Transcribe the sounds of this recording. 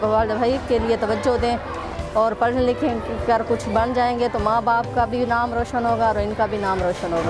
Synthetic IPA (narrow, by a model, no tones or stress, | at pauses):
ɐaːld̪bʱaːikeliet̪ɐʋəd͡ʒːod̪ẽː | ɔːɾpɐɾʈʰlɪkʰẽɡəɾkʊt͡ʃʰbɐnd͡ʒaːẽːɡet̪omãːbaːp̚kabʱinaːmɾoːʃənɦoːɡaɪnkabʱinaːmɾoːʃənɦoːɡaː